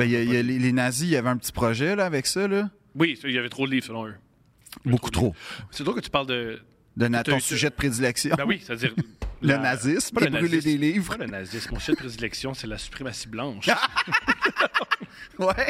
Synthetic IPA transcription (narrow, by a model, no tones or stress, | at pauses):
bɛjəjəlelenazijavɛə̃pət͡si̥pχɔʒɛlʌavɛksʌlʌ | wisilavɛt̪ʁod̪əliːv̥ʁsəlɔ̃ø | bokku̥t̪χoset̪ʁokət̪y̥paʁld̪ə | d̪ənat̪ɔ̃syʒɛd̪əpχed̪ilɛksjɔ̃bɛwist̪ad͡zziːʁlənazɪsmpəbʁyled̪eliːvʁlənazɪsmɔ̃syʒɛəpχed̪ilɛksjɔ̃sɛlasy̥pχemasi̥blɑ̃ʃ | wɛ